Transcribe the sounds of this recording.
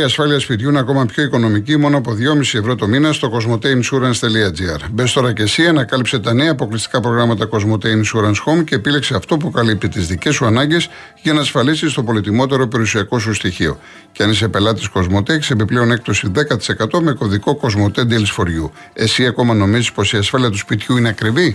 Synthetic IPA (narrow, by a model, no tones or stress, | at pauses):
iɐsfɐliɐspit̪ʝunɐko̞mɐpço̞iko̞no̞micimo̞noɐpo̞ðʝo̞misievɾo̞t̪o̞minɐst̪o̞ko̞zmo̞t̪e̞imsuɾɐnst̪eliɐd͡ziɐ̰ɾbest̪o̞ɾɐce̞siɐnɐkɐlipse̞t̪ɐne̞ɐːpo̞klist̪i̥kɐpɾo̞ɣɾɐmɐt̪ɐko̞zmo̞t̪eimsuɾɐnsxo̞mce̞ːpile̞kse̞ɐft̪o̞pukɐlip̚t̪it̪izðice̞suɐnɐɲɟe̞s | ʝɐnɐːsfɐlisist̪o̞po̞lit̪imo̞t̪e̞ɾo̞pe̞ɾiusiɐko̞s̬ust̪içio̞̰ | ceɐnis̬epe̞lɐt̪isko̞zmo̞t̪eçi̥se̞piple̞o̞ne̞k̚t̪o̞siðe̞kɐt̪i̥se̞kɐt̪o̞me̞ko̞ðiko̞ko̞zmo̞t̪e̞d̪ilsfo̞ɾʝu | e̞siɐko̞mɐno̞mizispo̞siɐsfɐliɐt̪uspit̪çuineɐkɾivi